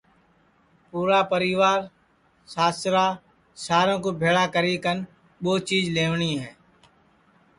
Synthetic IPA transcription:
puːɾaːpəɾɪʋaːɾ | saːst̪ɾaː | saːɾõkoːbʱeːɭaːkəɾiːkən | ɓoːt͡ʃiːzleːʋɳiːɦɛː

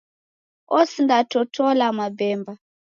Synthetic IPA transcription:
ɔsindatɔtɔlamabɛmba

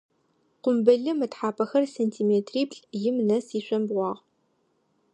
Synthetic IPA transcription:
qʷʊmbɐɮɨmɨtħaːpʰɐxɐrseːntʰiːmeːtʰriːpɬʼjɪmnɐsiːɕʷɐmbʁʷɑːʁ

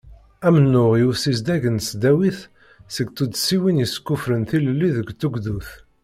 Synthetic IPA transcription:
æmənːʊʁjusizd̪æʝənsd̪æwiθ | səɡt͡s̪ːud̪siwinjəskːufɾənθiləlːiðəɡt̪ːuɡðuθ

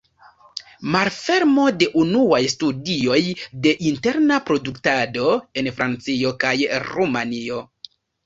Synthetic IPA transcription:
maɾfe̞ɾmo̞de̞ʔunuajstudio̞jde̞ʔinte̞ɾnapɾo̞duktado̞e̞nfɾʔant͡sio̞kajɾumanio̞

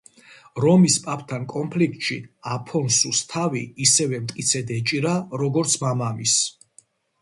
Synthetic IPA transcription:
ɾɔmispʼapʰt̪ʰankʼɔmpʰlik̚ʰt̪ʼʃiapʰɔnsust̪ʰaviːsɛvɛmt̪ʼkʼit̪sʰɛd̪ɛt͡ʃʼiɾaɾɔɡɔɾt̪sʰmamamis

